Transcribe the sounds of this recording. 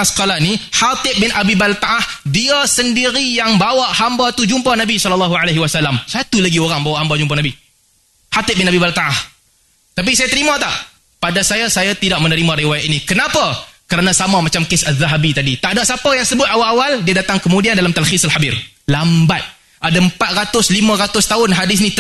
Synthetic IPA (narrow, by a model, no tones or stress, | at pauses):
asə̥kalanihat̪ɪp̚bɪnʔabibalt̪aʔahdiasəndiɾijaŋbawaʔhambat̪ud͡ʒumpanabisɔllːaɦualaɦiwasalːamsat̪ulaɡioɾaŋbawaʔhambad͡ʒump̬ahnabi | hat̪ɪp̚bɪnabibalt̪aʔah | t̪ap̬isajat̪əɾimãt̪aʔ | padasajasajat̪idaʔ̚mənəɾimãɾiwajat̪inikənapakəɾanãsamamat͡ʃamkɪsaðaɦabit̪adit̪aʔdaʔsapajaŋsəbʊt̪awalawaldiadat̪aŋkəmudiandalamt̪alxisalħabir | lambat̪̚ | ʔadaəmpat̪̚ɾat̪ʊslimãɾat̪ʊst̪aʊnɦadɪs̬nĩ